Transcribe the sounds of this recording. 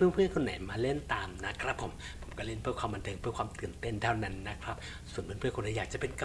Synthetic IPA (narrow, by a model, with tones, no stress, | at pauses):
pʰːpʰɯ˥˩nkʰo˧nːa̰˨˩˦jmaː˧le˥˩nt̪aː˧mna˦˥kʰɾa˦˥pʰːo˨˩˦m | pʰo˩˦mkɔ˥˩le˥˩npʰɯ˦˥˩əkʰwaː˧mba˧ntʰɤː˧ŋpʰɯ˥˩əkʰwaː˧mt̪ɯː˨˩ənt̪e˥˩nt̪ʰaː˥˩wna˦˥nːa˦˥kʰɾa˦˥p̚ | su˨˩˦npʰɯ˧˥˨pʰɯ˥əko˧na˨˩˦jaː˨˩k̚t͡ɕa˨˩pe˧nka˧